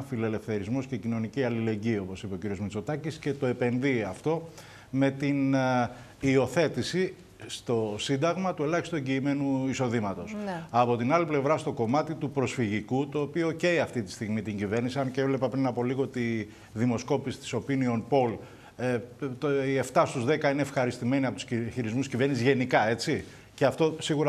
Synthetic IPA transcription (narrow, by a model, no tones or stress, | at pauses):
file̞le̞fθe̞ɾizmo̞scecino̞niciɐlile̞ɲɟio̞po̞sipeociɾio̞zmit͡so̞t̪ɐcisce̞t̪o̞e̞pe̞nðiɐft̪o̞ | me̞t̪in | io̞θe̞t̪isi | st̪o̞sind̪ɐɣmɐt̪ue̞lɐçist̪ue̞ɲɟiːme̞nuiso̞ðimɐt̪o̞sɐpo̞t̪inɐliple̞vɾɐst̪o̞ko̞mɐt̪it̪upɾo̞sfiʝikut̪o̞ːpio̞ceiɐft̪it̪i̥st̪iɣmit̪iɲɟive̞ɾnisiɐncevle̞pɐpɾinɐpo̞liɣoot̪i | ðimo̞sko̞pisi̥t̪i̥so̞pinio̞npo̞l | t̪ie̞ft̪ɐst̪uzðe̞kɐine̞ːfxɐɾist̪ime̞niɐpot̪u̥sçiɾizmuscive̞ɾnisizʝe̞nikɐe̞t͡si | ceɐft̪osiɣuɾɐ